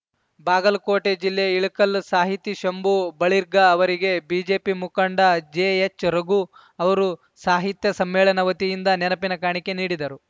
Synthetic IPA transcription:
baːɡɐlkoːʈed͡ʒilːeiɭikɐlsaːɦit̪ːiʃɐmbubɐɭiɾɡɐːʋɐɾiɡe̞biːd͡ʒe̞ːpimukɐɳɖɐd͡ʒeet͡ʃɾɐɡu | ɐʋɐɾu | saːɦit̪jɐsɐmːɛːɭɐnɐʋɐt̪ijind̪ɐnɛnɐpinɐkaːɳike̞niːɽid̪ɐɾu

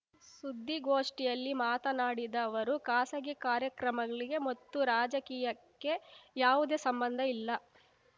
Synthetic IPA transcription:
sud̪ʱːiɡoːʂʈijɐlːimaːt̪ɐnaːɽid̪ɐːʋɐɾukaːsɐɡikaːɾjɐkɾɐmɐɡɐɭiɡe̞mɐt̪ːuɾaːd͡ʒɐkiːjɐkːe̞jaːʋud̪e̞ːsɐmbɐnd̪ʱɐilːɐ

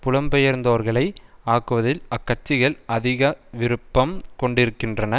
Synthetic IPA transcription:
pʊɻɐmbɛjɐɾnd̪oːɾɣɐɭɐɪaːkɯʋɐðɪlɐkːɐʈ̚t͡ʃɪɣɐɭɐðɪɣɐʋɪɾɯpːɐmkɔɳɖɪɾɯkːɪndrɐnɐ

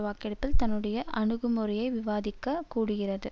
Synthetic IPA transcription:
ʋaːkɛɽɐpːɪlt̪ɐnːɯɽɐjɐʔɐɳɯɣɯmɔrɪjɐɪʋɪʋaːðɪkːɐkːuːɽɯɣɪrɐðɯ

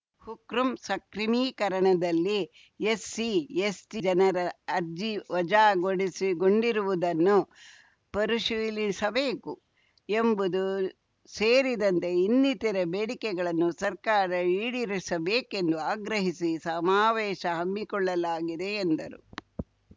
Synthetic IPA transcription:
hukɾumsɐkɾimiːkɐɾɐɳɐd̪ɐlːi | jesːiesʈid͡ʒɐnɐɾɐːɾd͡ʒiʋɐd͡ʒaːɡoɽisiɡoɳɖiɾuʋud̪ɐnːu | pɐɾuʃulisɐbe̞ːku | embud̪u | seːɾid̪ɐnt̪e̞inːit̪iɾɐbeːɽikɛɡɐɭɐnːusɐɾkaːɾɐiːɽiɾisɐbeːke̞nd̪uaːɡɾɐɦisisɐmaːʋɛːʃɐɦɐmːikɔɭːɐlaːɡid̪e̞ːnd̪ɐɾṵ

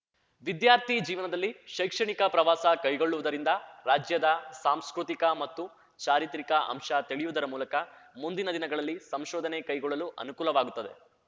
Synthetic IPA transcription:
ʋid̪jaːɾt̪id͡ʒiːʋɐnɐd̪ɐlːiʃɐjkʂɐɳikɐpɾɐʋaːsɐkɐjɡo̞ɭːuʋud̪ɐɾind̪ɐɾaːd͡ʒjɐd̪ɐsaːmskɾut̪ikɐmɐt̪ːu | t͡ʃaːɾit̪ɾikɐʔɐ̰mʂɐt̪iɭijud̪ɐɾɐmuːlɐkɐmund̪inɐd̪inɐɡɐɭɐlːisɐmʃɔːd̪ʱɐnekɐjɡɔɭːɐluʔɐ̰nukuːlɐʋaːɡut̪ːɐd̪e̞

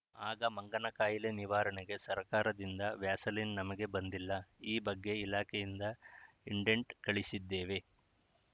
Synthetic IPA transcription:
aːɡɐmɐŋɡɐnɐkaːjileniʋaːɾɐɳɛɡe̞sɐɾkaːɾɐd̪ind̪ɐʋjaːsɐlinnɐmɐɡe̞bɐnd̪ilːɐiːbɐɡːe̞ilaːkʰejind̪ɐ | iɳɖeɳʈkɐɭisid̪ːe̞ːʋe̞

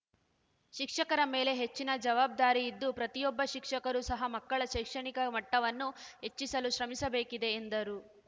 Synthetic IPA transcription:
ʃikʂɐkɐɾɐme̞ːle̞ɦe̞t͡ʃːinɐd͡ʒɐʋaːb̚d̪aːɾiːd̪ːupɾɐt̪ijɔbːɐʃikʂɐkɐɾusɐɦɐmɐkːɐɭɐʃɐjkʂɐɳikɐmɐʈːɐʋɐnːuɦe̞t͡ʃːisɐluʃɾɐmisɐbe̞ːkid̪e̞ːnd̪ɐɾu

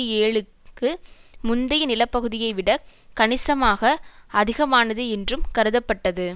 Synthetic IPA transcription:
eːɭɯ | kːɯmʊnd̪ɐjnɪlɐpːɐɣɯðɪjɐɪʋɪɽɐkɐɳɪsɐmaːɣɐɐðɪɣɐmaːnɐðɯɛndrɯmkɐɾɯðɐpːɐʈːɐðɯ

